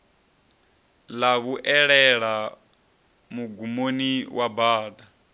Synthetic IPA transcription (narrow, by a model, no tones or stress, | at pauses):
laβuʔɛɺɛɺa | muɡumoniwabaːda